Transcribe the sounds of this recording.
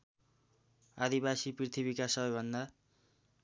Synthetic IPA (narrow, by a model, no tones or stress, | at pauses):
ad̪ibasiprit̪ʰibikasʌbʌjbʱʌnd̪a